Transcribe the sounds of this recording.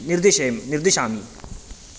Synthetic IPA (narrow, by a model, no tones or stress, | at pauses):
niɾd̪iʃeːmniɾd̪iʃaːmi